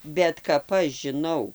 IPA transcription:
bʲɛt kɐp ˈɐʃ ʒʲɪˈnɐʊ

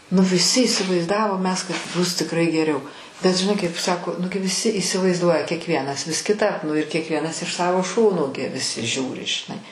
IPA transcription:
nʊ ʋʲɪˈsʲɪ iːsʲɪʋɐɪzˈdɑːʋoːm ˈmʲɛs kɐt ˈbʊs tʲɪkˈrɐɪ ɡʲɛˈrʲɛʊ bʲɛt ʒʲɪˈnɐɪ kɐɪp ˈsɑːkoː ˈnʊɡʲɪ ʋʲɪˈsʲɪ iːsʲɪʋɐɪzˈduɔjɛ kʲiɛkˈʋʲiɛnɐs ʋʲɪs kʲɪˈtɐp ˈnʊ ɪr kʲiɛkˈʋʲiɛnɐs ɪʃ ˈsɑːʋoː ˈʃoːnoː ɡʲɪ ʋʲɪˈsʲɪ ˈʒʲuːrʲɪ ʒʲɪˈnɐɪ

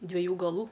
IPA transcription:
dʲʋʲiɛˈjuː ɡɐˈlˠuː

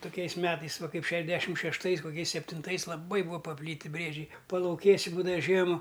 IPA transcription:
tʊˈkʲɛɪs ˈmʲæːtɐɪs ˈʋɐ ˈkɐɪp ˈʃʲæːʒʲˌdʲæːʃʲɪm ʃʲɛʃˈtɐɪs koːˈkʲɛɪs sʲɛpʲtʲɪnˈtɐɪs lˠɐˈbɐɪ ˈbuːɐ pɐˈpʲlʲiːtʲɪ ˈbʲrʲiɛd͡ʒʲɛɪ pɐlˠɐʊˈkʲeːsʲɪ ˈbuːdɐʋɐ ˈʒʲiɛmɐ

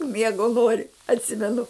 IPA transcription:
ˈmʲiɛɡoː ˈnoːrʲɪ ɐtʲˈsʲɪmʲɛnʊ

